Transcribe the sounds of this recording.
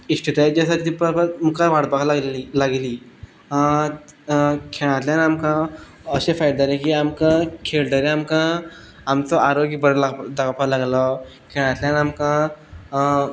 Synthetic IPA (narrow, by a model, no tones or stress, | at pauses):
isʈiʈad͡ʑasaʈt̪ipəɾpəɾmkaʋaɽbaklailaɡliː | kʰeɭ̃ãt̪ljanamkã | əɕefajd̪aɾekiamkãkʰelɖəɾeamkã | amt͡sɔaɾoɡbəɾlad̪aɡapalaɡlɔ | kʰeɭ̃ãt̪lʲjanamkã